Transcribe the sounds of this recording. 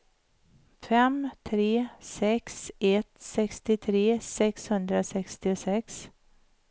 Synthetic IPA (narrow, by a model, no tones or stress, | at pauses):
fɛmt̪ʰɾeːsɛksɛt̪sɛkst̪ɪt̪ʰɾeːsɛkshɵnd̪ɾasɛkst̪ɪʊsɛks